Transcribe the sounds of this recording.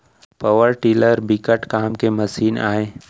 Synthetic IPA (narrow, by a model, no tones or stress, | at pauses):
pɐʋəɾʈiːləɾbɪkəʈkaːmkemɐsiːna̰ːẽː